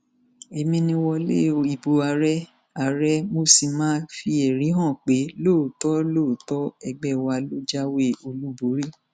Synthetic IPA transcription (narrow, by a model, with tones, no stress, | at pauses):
e˧mĩ˧nĩ˧wɔ˧lḛ˦˨o˨i˨bo˨a˨˧ɾɛ˦ | a˨ɾɛ˦mo˧si˧mãː˦fi˧e˨ɾ̃ĩ˨˦ɦɔ̃˦˨k͡pe˨˦loː˦˨tɔ˦loː˦˨tɔ˦ɛ˧ɡ͡bɛ˦˨wa˧lo˦d͡ʒa˦we˦o˧lu˦bo˨˦ɾi˦